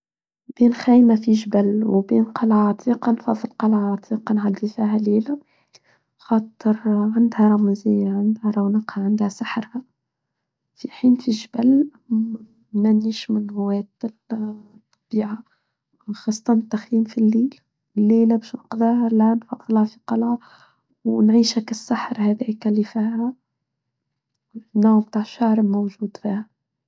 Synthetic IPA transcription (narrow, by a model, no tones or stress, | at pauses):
b̥iːnxæːjmafiʒbælwbiːnqɑlʕaʕɑt̪ʰˤiːqɑnfɑðˤːəlqɑlʕaʕɑt̪ʰiːqɑnħad̪ːifiːɦæliːlæ | xɑːt̪ˤəɾʕand̪hæɾˤɑmzɪjːaʕand̪hæɾˤɑwnɑqhɑʕand̪hæsaħɾhæ | fiħiːnfiʒbæl | mæniːʃmɪnmʊwɛːt̪ɪlt̪ˤːɑb̥iːʕa | xɑːsˤːɑt̪ɑnt̪ːaxjiːmfilːiːl | ɪlːeːlæbɛːʃnɑqd̪ˤɑhalænfɑd̪ˤːɑlʕɑfiq̪ɑlʕa | wnʕiːʃækasːaħɾhæðɛːkælːifiːhæ | nːoːʕb̚t̪aːʕʃːaʕɾmowʒuːd̪fiːhæ